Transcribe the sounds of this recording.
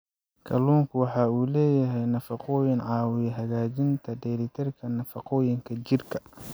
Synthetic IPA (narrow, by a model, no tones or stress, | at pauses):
kʰɐluːŋkʰʊwɑħɑːuːlɛːjɐɦɛjnɐfɑqɔːjɪnʕɑːwɪjɛɦɐɣaːt͡ʃɪnt̪ʰɐd̪ɛɾɪt̪ʰɐrkʰɐnɐfɑqɔːjɪŋkʰɐt͡ʃɪrkʰɐ